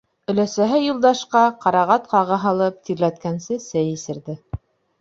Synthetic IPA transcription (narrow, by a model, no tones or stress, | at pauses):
ɵ̆læsæɦɘjulˠd̪ɑʃqɑqɑɾɑʁɑt̪qɑʁɤɦɑlˠɤp̚t̪iɾlæt̪kænsɘsɘjĭsɘ̆ɾðɘ